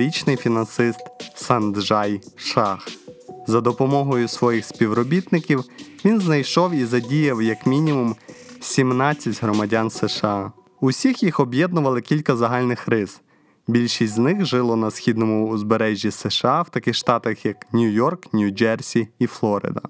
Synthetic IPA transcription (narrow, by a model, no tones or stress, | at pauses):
ɾʲit͡ʃnɪjfʲinɐnsɪst̪sɐnd̪ʒɑjʃɑxzɐd̪ɔpɔmɔɦɔjʊsʋɔjixsʲpʲiwɾɔbʲit̪nɪkʲiwʋʲinznɐjʃɔwizɐdʲijɐwjɐkmʲinʲimumsʲimnɑt͡sʲːɐtʲɦɾɔmɐdʲansɛʃeɑ | usʲixjixɔbjɛd̪nʊʋɐlˠɪkʲilʲkɐzɐɦɑlʲnɪxrɪz̥ | bʲilʲʃisʲtʲznɪxʒɪlˠɔnɐsxʲid̪nɔmʊːzbeɾɛʒʲːisɛʃeɑwt̪ɐkɪxʃt̪ɑt̪ɐxjɐknʲujɔrknʲud͡ʒɛrsʲiːflˠɔɾɪ̰d̪ɐ̰